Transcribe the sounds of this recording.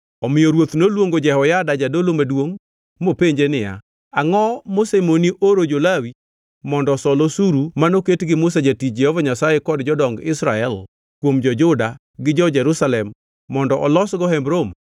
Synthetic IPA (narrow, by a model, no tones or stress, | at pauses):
ɔmɪjɔɾwot̪nolwoŋɡod͡ʒɛhɔjadad͡ʒadolomadwoŋ | mopeɲd͡ʒenɪja̰ | aŋɔmosemoniʔoɾod͡ʒolawi | mɔndɔsɔlosuɾumanoketɡɪmʊs̬ad͡ʒatit͡ʃ̚d͡ʒɛhɔvaɲasajekɔdd͡ʒɔdɔŋɡɪsɾaɛl | kwomd͡ʒɔd͡ʒʊda | ɡɪd͡ʒɔd͡ʒɛɾusalɛmː | ɔndɔʔɔlɔsɡɔɦɛmbɾom